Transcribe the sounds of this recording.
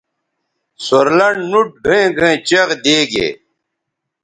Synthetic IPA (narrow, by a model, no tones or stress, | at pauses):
soɾlɐɳɖnuʈ̚ɡʱẽɡʱẽːt͡ɕɐɣd̪eːɡḛː